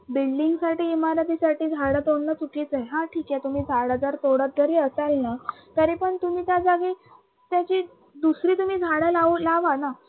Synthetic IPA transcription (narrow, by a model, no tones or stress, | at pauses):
bilɖiŋɡsaʈiːimaɾat̪̬isaʈiːd͡zʱaɽət̪oɽnət͡suʈʰet͡sajɦãʈʰiːkɛ̃t̪um̤iːd͡zʱaɽəd͡zəɾt̪oɽət̪̚d͡zəɾiəsalna | k̪əɾepəɳt̪um̤iːt̪jad͡zaɡi | t̪jat͡ɕi | d̪usɾiːt̪um̤iːd͡zʱaɽəlaulaʋana